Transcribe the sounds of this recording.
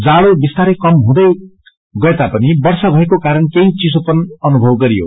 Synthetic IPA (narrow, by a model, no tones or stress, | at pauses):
d͡zaɭobist̪aɾekʌmɦũd̪ʌj | ɡʌet̪apʌnibʌrsʌbʱʌekokaɾʌnkeɦĩt͡sisopʌnʌnubʱʌwɡʌɾijo̰